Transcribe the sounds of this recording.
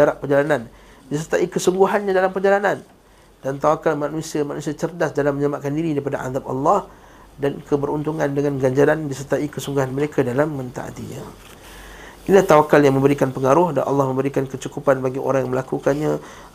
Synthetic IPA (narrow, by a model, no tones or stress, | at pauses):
aɾaʔpərd͡ʒalanan | disərt̪aʔikəsuŋɡuɦanɲadalampərd͡ʒalanan | d̥ant̪awakalmanusiamanusiat͡ʃərdasdalamːəɲəlamaʔkandiɾidaɾipadaʔa̰ðap̚ɑ̰lːɑh | dankʰəbəɾunt̪uŋandəŋanɡaɲd͡ʒaɾandisərt̪aʔikəsuŋɡuɦanməɾekʰadalamːə̃nt̪a̰ʔa̰t̪ḭɲã̰ | ʔlaht̪awakaljaŋmə̃mbəɾikanpəŋaɾʊhda̰nʔɑ̰lːɑhmə̃mbəɾikankət͡ʃukupanbaɡiʔo̰ɾaŋjaŋməlakukanɲa